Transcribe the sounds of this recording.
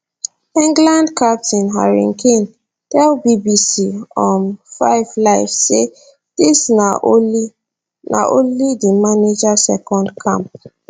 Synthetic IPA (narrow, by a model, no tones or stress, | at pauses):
ĩŋɡlãndkʰap̚tĩnɦa̰ɹḭ̃ŋkʰẽn | tɛlbibisiɔ̃nfaɪvlaɪvse | d̥isna | na̰ʔõnlidimaned͡ʒasɛkɔ̃ndkʰãmp̚